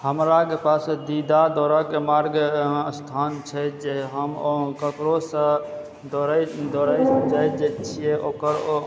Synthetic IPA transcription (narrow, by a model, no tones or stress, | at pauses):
həmɾakepasd̪id̪ad̪ɔɾakemaɾɡst̪ʰant͡ʃʰɛd͡ʒeɦəmkəkɾosə̃ | d̪oɾd̪ɔɾajsəmd͡ʒaj̪d͡ʒet͡ʃʰijɛʔokəɾ